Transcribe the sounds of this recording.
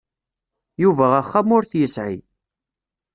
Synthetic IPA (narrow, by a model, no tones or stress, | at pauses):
juvæʁæχːamʊɾθjəsʕḭ